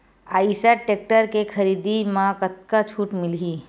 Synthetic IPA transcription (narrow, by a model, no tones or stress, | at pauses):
aːisaʈeːk̚ʈəɾkekʰəɾiːd̪imãkət̪̚kat͡ʃʰuːʈmɪlɦiː